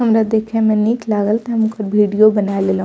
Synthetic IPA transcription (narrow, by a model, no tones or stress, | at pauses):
ɦəmɾad̪ekʰẽmɛ̃niklaːɡəlt̪ɦmũkəɾbʱiɽijobənaelelɦ